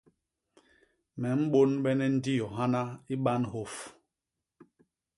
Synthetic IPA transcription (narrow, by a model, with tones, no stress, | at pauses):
mɛ˨m̩˦ɓo˦nɓɛ˦nɛ˦n̩˦di˦jɔ˨ɦa˦na˦i˦ɓa˦nɦo˨f